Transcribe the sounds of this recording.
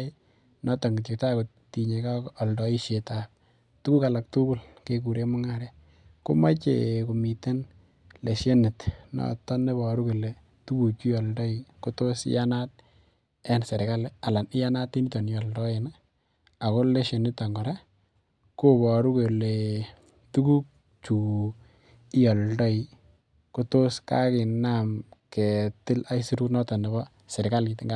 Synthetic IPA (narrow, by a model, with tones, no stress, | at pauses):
nɔ˦ta˨ŋɡi˨tɪ˨k̚ta˦ko˨ | ti˨ɲe˨ka˦kɔ˨ldɔ˦i˦ʃje˨tap̚ | tuku˦ka˨la˨k̚tu˦ku˦˨lke˦k̬u˨ɾe˦mʊ˦ŋa˦ɾja | ko̰˦ma˦t͡ʃḛko˨mi˨te˦n | le˨ʃje˦nɪ˨tnɔ̰˨tɔ˦ne˦bɔ˨ɾu˦ke˨le˨ | tu˦ku˨t͡ʃi˦ɔ˨ldɔ˦iko˦to˦sjanat̚ | ɛ˦nse˨ɾɪ˨ka˦la˨la˨nɪ˦ja˦na˦tːi˦ni˦tɔ˨njɔ˨ldɔ˦e˨na | a˨ko˦le˦ʃe˨nɪ˦ta˨ŋɡɔ˨ɾa˦ | ko˦bɔ˨ɾu˦ke˨le˨ | tu˦ku˦k̚ | t͡ʃu˨ | ɪ˦jɔ˨ldɔ˦i˨ | ku˦to˦ska̰˦kɪ˨namke˨tɪ˦la˦isi˦ɾu˦knɔ˦tɔ˨ne˨bɔ˦ | sɛ˨ɾɪ˨ka˦li˨tɪ˦ŋɡa